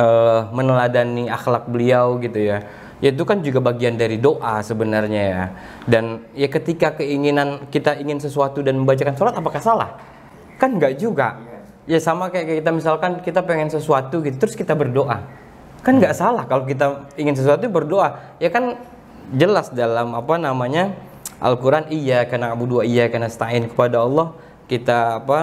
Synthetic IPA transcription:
əːmənəladaniaxlak̚bəliawɡit̪uja | ʔait̪̬ukand͡ʒuɡabaɡiandaɾidoʔasəbənarɲaja | danjakət̪ikakəiŋinankit̪aiŋɪnsəsuat̪udanməmbat͡ʃakansolat̪apakasala̰h | kanɡaʔd͡ʒuɡa̰ | jasamakajakakit̪̬amisalkankit̪apeŋɛnsəsuat̪uɡit̪ut̪ɾʊskit̪abərdoʔa̰ | kanɡaʔsalahkalok̬it̪̬aiŋɪns̬əsuat̪ubərdoʔa | jakan | d͡ʒəlasdalamapanamaɲa | ʔa̰lkuɾanijakənaːbuduaijakənasə̥t̪aɪnkə̥padaɑlˠːɔh | kit̪aːpa

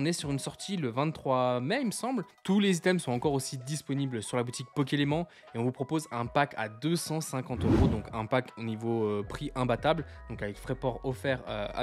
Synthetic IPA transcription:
ɔ̃nɛsyʁynsɔʁt̪ʰiləvɛ̃t̪ːχwamɛiməsɑ̃blt̪ulezit̪ɛmsɔ̃ɑ̃kɔʁosid̪ispɔniblsyʁlabut̪ik̚pɔk̬elemɑ̃ | eɔ̃vupχɔpozɛ̃paka̰d̪øsɑ̃sɛ̃kɑ̃t̪øʁod̪ɔ̃kʰɛ̃pakonivoøpχiʔɛ̃bat̪abld̪ɔ̃kavɛkfχɛpɔʁɔfɛʁøa̰

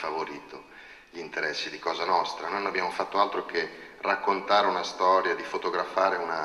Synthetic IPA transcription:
favoɾiːt̪o | ʎint̪eɾɛsːid̪ikɔːzanɔst̪ɾanojnonabːjaːmofat̪ːoalt̪ɾokerakːont̪aːɾeunast̪ɔːɾjad̪ifot̪oɡɾafaːɾeuna

